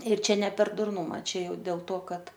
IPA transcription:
ɪr ˈt͡ʃʲɛ nʲɛ pʲɛr dʊrˈnʊmɐ ˈt͡ʃʲɛ ˈjɛʊ dʲeːlˠ toː ˈkɐt

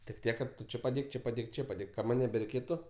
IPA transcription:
tʲɪk ˈtʲiɛk kɐt ˈtʊ ˈt͡ʃʲɪ pɐˈdʲeːk ˈt͡ʃʲɪ pɐˈdʲeːk ˈt͡ʃʲɪ pɐˈdʲeːk kɐ ˈmɐnʲ nʲɛbʲɛrʲɛɪˈkʲeːtʊ

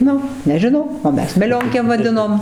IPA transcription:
ˈnʊ nʲɛʒʲɪˈnɐʊ oː ˈmʲɛs mʲɛˈlʲoːŋʲkʲeːm ʋɐˈdʲɪnoːm

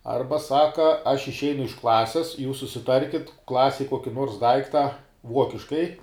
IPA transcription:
ˈɐrbɐ ˈsɑːkɐ ɐʃ ɪʃʲˈɛɪnʊ ɪʃ ˈklˠɑːsʲɪs juːs sʊsʲɪˈtɐrʲkʲɪt ˈklˠɑːsʲɛj ˈkuɔkʲɪ ˈnuɔrs ˈdɐɪktɐ ˈʋuɔkʲɪʃkɐɪ

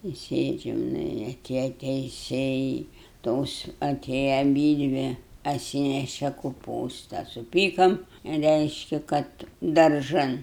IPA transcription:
ɪ ˈsʲeːd͡ʒʲɛm ˈnʊ ɪ ɐˈtʲeːjɛ tʲɛɪˈsʲeːjɛɪ ˈtoːs ɐˈtʲeːjɛ ɐˈbʲiːdʲʋʲɪ ɐtʲˈsʲiːnʲɛʃʲɛ kʊˈpuːstɐ sʊˈpʲiːkɐm ˈrʲɛɪʃʲkʲɪ ˈkɐt dɐrˈʒɐn

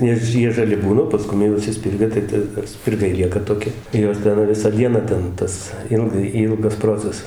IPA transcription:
ˈnʲɛs ˈjiɛ ʒɐˈlʲɪ ˈbuːnɐ oː pɐˈskʊm jɛʊ ɪʃʲsʲɪˈsʲpʲɪrɡɐ tɐɪ ˈtɐ sʲpʲɪrˈɡɐɪ ˈlʲiɛkɐ toːˈkʲɪ ˈjoːs ˈtʲɛn ˈʋʲɪsɑː ˈdʲiɛnɑː ˈtʲɛn ˈtɐs ˈɪlˠɡɐɪ ˈiːlˠɡɐs ˈproːt͡sʲɛsɐs

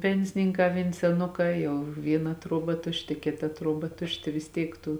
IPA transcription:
ˈpʲɛnʲsʲɪnʲɪŋˌkɑː ʋʲeːn sʲɛˈnʊkɑː ˈjɛʊ ˈʋʲiːˌnɐ ˈtruɔˌbɐ ˈtʊʃʲˌtʲɪ ˈkʲeːˌtɐ ˈtruɔˌbɐ ˈtʊʃʲˌtʲɪ ʋʲɪs ˈtʲiɛk ˈtuː

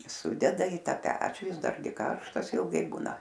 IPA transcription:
ˈsʊdʲɛdɐ iː ˈtɑː ˈpʲæːt͡ʃʲuː ˈjɪs ˈdɐrʲɡʲɪ ˈkɐrʃtɐs ɪlˠˈɡɐɪ ˈbuːnɐ

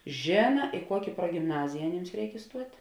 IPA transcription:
ˈʒʲeːnɐ ɪ ˈkuɔkʲɪ pruɔɡʲɪmˈnɑːzʲɪjɛ ɐˈnʲiːms ˈrʲɛɪk ɪˈstuɔtʲ

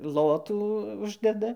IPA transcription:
ˈlˠoːtuː ˈʊʒʲdʲɛdɐ

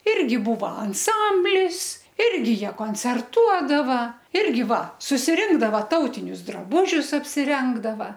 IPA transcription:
ˈɪrʲɡʲɪ ˈbuːʋɐ ɐnˈsɐmʲbʲlʲɪs ˈɪrʲɡʲɪ ˈjiɛ koːnʲt͡sʲɛrˈtuɔdɐʋɐ ˈɪrʲɡʲɪ ˈʋɐ sʊsʲɪˈrʲɪŋɡdɐʋɐ ˈtɐʊtʲɪnʲʊs drɐˈbʊʒʲʊs ɐpʲsʲɪˈrʲɛŋɡdɐʋɐ

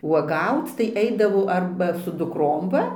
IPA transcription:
uɔˈɡɐʊt͡s tɐɪ ˈɛɪdɐʋɐʊ ˈɐrbɐ sʊ dʊkˈroːm ˈʋɐ

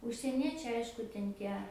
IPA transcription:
ʊʃʲsʲiɛˈnʲiɛt͡ʃʲɛɪ ˈɐɪʃkʊ tʲɛn ˈtʲiɛ

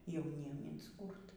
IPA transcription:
jɛʊˈnʲiɛm ɪnsˈkuːrt

